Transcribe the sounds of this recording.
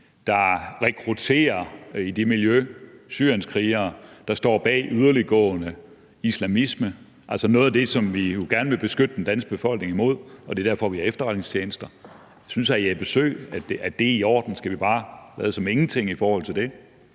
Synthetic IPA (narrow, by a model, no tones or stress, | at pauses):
d̥ɑ̈ʁɛkʰʁut͡sʰe̝̰ːɐid̥imiljøsyɐ̰jenskʰʁiːɐd̥ɑ̈sd̥ɒ̰ːb̥ɛ̰ːʔyð̞ˠɐliɡ̥ɔ̰̽ːnə | islæmismə | ʔælsɒnɔːð̩ˠæd̥e̝sɒ̽mʋijo̝ɡ̥æɐnəʋe̝b̥e̝sɡ̥ød̥əd̥end̥æn̰sɡ̥̚b̥e̝fɒ̽l̰ɡ̥ne̝ŋimo̝ð̰ˠɒ̽d̥e̝d̥æɐfɒʋiæɐefd̥ɐʁad̥neŋst͡sʰt͡ɕʰjeːnəsd̥ɐ | synsææb̥e̝sø̰ɪ̰æ̥æd̥e̝iɒ̰ːd̥n̩sɡ̥æʋib̥ɑ̈ːlæ̰ːð̩ˠsɒ̽me̝ŋn̩t͡sʰe̝ŋ̰ifɒːhɒ̽l̰t͡sʰe̝ld̥e̝